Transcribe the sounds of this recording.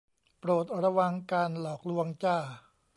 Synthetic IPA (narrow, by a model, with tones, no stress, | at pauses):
pɾoː˨˩t̪̚ɾa˧wa˧ŋkaː˧nlɔː˨˩k̚lu˧əŋt͡ɕaː˥˩